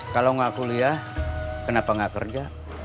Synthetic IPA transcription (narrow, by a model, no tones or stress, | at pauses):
kalaŋakuliahkənapaŋɡakə̰rd͡ʒa